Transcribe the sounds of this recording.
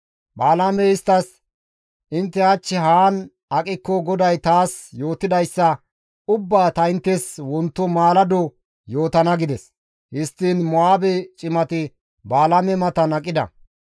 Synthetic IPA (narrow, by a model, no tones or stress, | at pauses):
baːlamɛɪst̪ːɐs | ʔɪnt̪ːɛɐt͡ʃːɛɦaːn | ɐkʼɪkːɔɡɔd̪ɐjt̪aːsjo̞ːt̪ːɪd̪ɐjsːɐ | ʊbːaːt̪ɐɪnt̪ːɛswɔnt̪ːɔmaːlɐd̪ɔ | jo̞ːt̪ɐnɐɡɪd̪ɛs | hɪst̪ːinmɔaːbɛt͡ʃʼɪmɐt̪ɪ | baːlamɛmɐt̪ɐnɐkʼːɪd̪ɐ̰